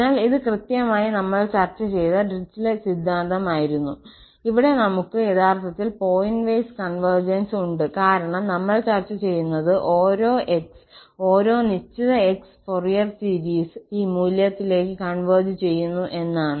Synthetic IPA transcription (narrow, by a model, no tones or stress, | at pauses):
aːliðɨkrɨt̪jɐmaːjinɐmːɐɭt͡ɕɐrt͡ɕːɐt͡ɕe̞jt̪ɐɖrit͡ɕːilesid̪ʱːaːnd̪ɐmaːjiɾunːu | iʋiɽe̞nɐmukːɨe̞t̪ʰaːrt̪ɐt̪ːilpo̞ːjinʋɐjskɐɳʋɐrd͡ʑɐnsuɳɖɨkaːɾɐɳɐmnɐmːɐɭt͡ɕɐrt͡ɕːɐt͡ɕe̞jːunːɐðɨʔo̞ːɾo̞ːʔekso̞ːɾo̞ːnit͡ɕːɐðɐeksforijɐrsiɾiːsiːmuːljɐt̪ːile̞ːkːɨkɐɳʋɐrd͡ʑɨt͡ɕe̞jːunːuʔe̞nːaːɳɨ